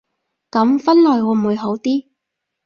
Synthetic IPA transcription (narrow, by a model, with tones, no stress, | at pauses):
kɐ˨˥mfɐ˥nlɔː˨˩jɔː˨˧m̩˨˩wu˨˧jɦo˨˥wt̪iː˥